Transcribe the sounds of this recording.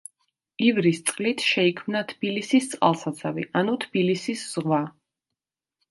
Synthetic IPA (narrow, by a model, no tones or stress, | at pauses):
ivɾist̪sʼqʼlit̪ʰʃɛikʰmnat̪ʰb̥ilisist̪sʼqʼa̰lˠsat̪sʰavḭʔanut̪ʰb̥ilisisz̥ʁwa